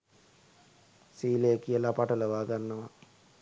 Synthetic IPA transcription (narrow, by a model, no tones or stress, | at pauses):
siːləjəkijəlapaʈələʋaːɡanːəʋa